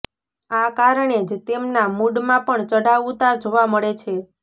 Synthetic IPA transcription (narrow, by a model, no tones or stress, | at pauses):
akaɾɳed͡ʒt̪emnamuɖmãpəɳt͡ʃəɽaut̪aɾd͡ʒoʋaməɭet͡ʃʰe